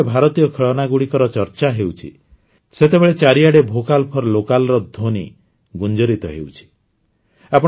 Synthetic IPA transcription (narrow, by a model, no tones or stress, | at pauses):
ebʱaɾɔt̪ijɔkʰeɭɔnaɡuɽikɔɾɔt͡ʃɔɾt͡ʃaɦewt͡ʃʰḭ | set̪ebeɭet͡ʃaɾiaɽebʱokalpʰɔɾɔlokalɔɾɔd̪ʱoni | ɡund͡ʒɔɾit̪ɔɦḛwt͡ʃʰi̥ | apɔ